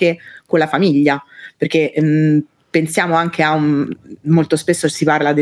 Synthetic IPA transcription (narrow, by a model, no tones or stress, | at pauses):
ekolafamiʎːaperk̟e | pensjaːmoaŋk̟eaumːolt̪ospesːosiparlad̪e